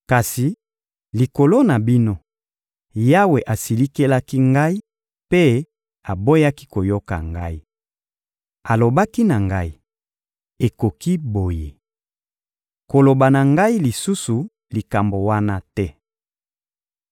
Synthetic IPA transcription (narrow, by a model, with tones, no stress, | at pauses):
ka˨si˨ | li˨ko˨lo˦na˨bi˦no˦ | ja˦we˨ʔa˨si˨li˦ke˦la˦ki˦ŋɡa˦i˦ | pe˦ | a˨bo˦ja˦ki˦ko˨jo˦ka̰˨ŋɡa˦i˦ | a˨lo˨ba˦ki˦na˨ŋɡa˦i˦ | e˨ko˨ki˦bo˨je˨ | ko˨lo˨ba˨na˨ŋɡa˦i˦li˨su˦su˨ | li˨ka˨mbo˨wa˦na˦tɛ˦